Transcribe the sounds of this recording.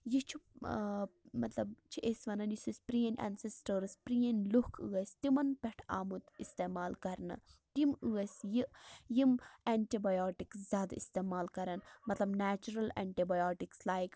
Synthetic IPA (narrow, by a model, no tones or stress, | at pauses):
jit͡ʃʰi | mɐt̪lɐbt͡ʃʰiʔesʲʋɐnɐnjisispɾiɐnʲʔɛ̰nsesʈəɾspɾijɐnʲlukʰɨ̰ɐsʲt̪imɐnpɛʈʰaːmut̪ist̪eːmaːlkɐɾnɐ̰t̪imɨːɐsʲjiʔjimɛɳʈibajoːʈikszʲaːd̪aist̪eːmaːlkɐɾɐnmɐt̪lɐbnaːt͡ʃuɾɐlɛ̰ɳʈibɐjoːʈikslaːjk